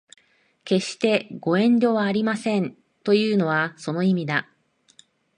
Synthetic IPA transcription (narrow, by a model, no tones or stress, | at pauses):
ke̞ɕi̥t̪e̞ɡo̞ẽ̞ɲdʲo̞βaːɾʲimasẽ̞n | t̪o̞jɯ̟ːno̞βaso̞no̞imʲid̪a